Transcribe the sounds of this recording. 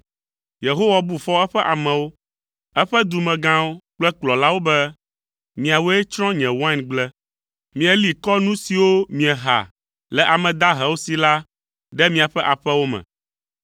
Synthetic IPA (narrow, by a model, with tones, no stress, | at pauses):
je˨ɦo˦wa˨bu˦fɔ˦ɛ˦ɸɛ˦ʔa˨mɛ̃˨wo˦ | ɛ˦ɸɛ˦d̪u˨mɛ̃˨ɡã˦wo˦k͡plɛ˦k͡plɔ˨la˦wo˦bɛ˦ | mĩ˨a˨wo˦ɛ˦t͡ʃɾɔ̃˦ɲɛ̃˨wa˦nɡ͡blɛ˦ | mĩ˨ɛ˨li˨kɔ˦nũ˦si˨wo˦mĩ˨ɛ˨ɦa̰˨ | lɛ˨ʔa˨mɛ̃˨d̪a˦ɦɛ˨wo˦si˨la˦ | ɖɛ˦mĩ˦a˨ɸɛ˦ʔa˨ɸɛ˦wo˦mɛ̰̃˨